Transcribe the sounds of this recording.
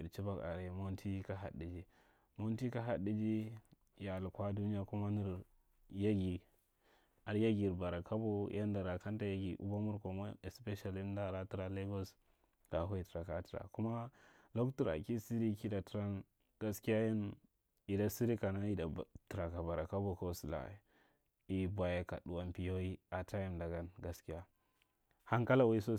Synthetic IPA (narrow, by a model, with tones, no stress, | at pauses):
i˨ɾt͡ʃi˦ba˦ka̰˨ɾe˨mo˦n˦tʰi˦ka˦ɦa̰˨di˨d͡ʒi˦ | mo˦nti˦ka˦ɦa˨di˦d͡ʒi˦ | ja˨lkʷa˦du˦ni˦ja˦ku˦ma˦ni˦ɾ | ja˦ɡi˨ | a˨ɾja˦ɡi˨ɾba˨ɾa˨ka˦bo˦ja˦nda˨ɾa˨ka˦n˦ta˨ja˦ɡi˨ʔṵ˦ba˦mu˦ɾko˨mo˦e˨spe˦ʃa˨li˦n˦da˦˨ɾa˦ti˦ɾa˨le˦ɡo˦s | ka˨˦ɦa˦i˦˨ti˨ɾa˨ka˦ti˨ɾa̰˨ku˦ma˦ | lo˦ktu˨ɾa̰˨ki˦si˦ɾi˦ki˦da˨tɾa˦n | ɡ̥a˦ski˦ja˦ja˦n | i˨da˨si˦ɾi˦ka˨na˦i˨da˨ti˨ɾa˨ka˨ba˨ɾa˨ka˦bo˨ko˦si˨la̰˨ḛ˨ | i˨bwa˨ja˨ka̰˨ɗu˨a˦npi˨jo˦ji˦a˨tʰa˦ja˦nda˨ɡa˦nɡa˨ski˦ja˦ | ha˦ŋka˦la˨wi˦so˦